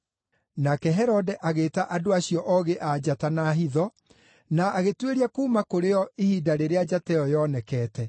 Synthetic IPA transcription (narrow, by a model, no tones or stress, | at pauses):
nakɛɦɛɾɔdɛʔaɣeːtaʔadoaɕiɔʔɔɣeʔad͡ʑatanaɦiðɔ | naːɣetweɾiakuːmakoɾeɔihiːdaɾeɾead͡ʑatɛɔjɔnɛkɛːtɛ